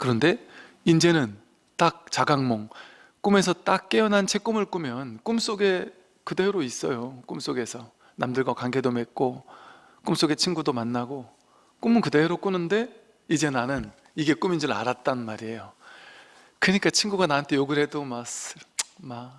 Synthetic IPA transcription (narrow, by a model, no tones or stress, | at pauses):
kɯɾʌnde̞ | ind͡ʑe̞nɯn | t͈ak̚t͡ɕaɡaŋmoŋ | k͈ume̞sʰʌt͈ak̚k͈e̞ʌnɦant͡ɕʰe̞k͈umɯɭk͈umjʌnk͈ums͈oɡe̞ | kɯde̞ɾois͈ʌjok͈ums͈oɡe̞sʰʌ | namdɯɭɡwakaŋɡe̞dome̞k̚k͈o | k͈ums͈oɡe̞t͡ɕʰinɡudomanːaɡo | k͈umɯnkɯde̞ɾok͈unɯnde̞ | id͡ʑe̞nanɯn | iɡe̞k͈umind͡ʑɯɾɯa̰ɾat̚t͈annmaɾie̞jo | kɯɲik͈at͡ɕʰinɡuɡanaantʰe̞joɡɯɾɦe̞domasma